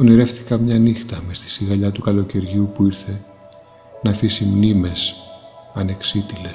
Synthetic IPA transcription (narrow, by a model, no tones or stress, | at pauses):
oniɾe̞fθi̥kɐmɲɐnixt̪ɐmest̪i̥siɣɐʎɐt̪ukɐlo̞ce̞ɾʝupuiɾθe̞ | nɐθisimnime̞sɐne̞ksit̪iles